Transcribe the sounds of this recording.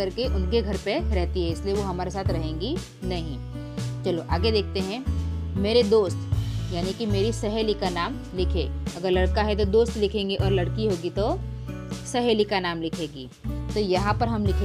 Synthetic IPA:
ɐɾkeʔʊnkeɡʱɐɾpeɾɛɦt̪iɦɛɪslieʋoɦɐmaːɾesaːt̪ʰɾɐɦẽːŋɡi | nɐɦĩ | t͡ʃɐloʔaːɡed̪eːk̚ʰt̪eɦɛ̃meːɾed̪oːst̪jaːnikimeːɾisɐɦeːlikanaːm | lɪkʰḛːɐɡəɾlɐɽkaɦɛt̪̬od̪oːst̪lɪkʰẽːŋɡeʔɔːɾlɐɽkiɦoːɡit̪o | sɐɦeːlikanaːmlɪkʰeːɡiːt̪ojɐɦãpɐɾɦɐmlɪkʰe

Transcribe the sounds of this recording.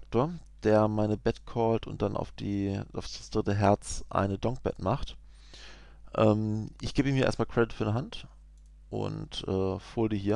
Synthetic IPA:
ak̚toːɐ | d̥eːɐmaɪnəbɛtkʰɔːltʊ̰nt̚d̥anʔa̰ʊfd̥iːaʊfd̥asd̥ʁɪtəɦɛɐt͡sʔa̰ɪnədɔŋk̚b̥ɛ̰tmaχt | ʔɛːmʔɪçɡ̥eːbəiːmhiɐḛɐstmaːlkʁ̥ɛdɪtfyːnəɦant | ʔʊ̰ntʔɛːfoːldihiːɐ

